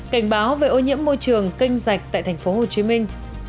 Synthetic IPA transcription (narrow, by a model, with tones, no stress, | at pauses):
ka˧˩jŋ̟ɓaː˨˦wve˨˩ʔo˧ɲḭ˧˥əmːo˧jt͡ɕɨ˨˩əŋkï˧ŋ̟za˨˩k̚t̪a̰ː˧˨jt̪ʰŋ̟fo˨˦ɦo˨˩t͡ɕi˨˦mi˧ŋ̟